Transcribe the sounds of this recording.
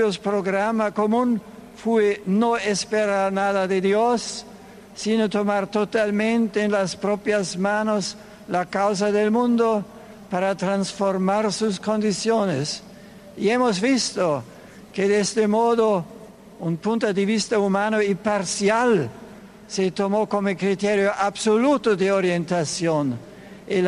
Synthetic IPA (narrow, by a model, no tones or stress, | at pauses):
jospɾoɡɾamakomunfuenoespeɾaɾnaðaðed̪josː | inot̪omaɾt̪ot̪almẽnt̪eːnlaspɾopjasmanos | lakaws̬aðelmund̪o | paɾat̪ɾansfoɾmaɾsuskond̪isjones | iemozvist̪o | ked̪est̪emoðo | unpunt̪od̪evist̪aumanoipaɾsjal | set̪omokomokɾit̪eɾjoʔabsolut̪od̪eoɾjent̪asjon | e